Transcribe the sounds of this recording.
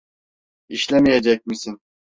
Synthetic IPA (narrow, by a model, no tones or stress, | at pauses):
iʃlʲemijed͡ʒɛc̚misin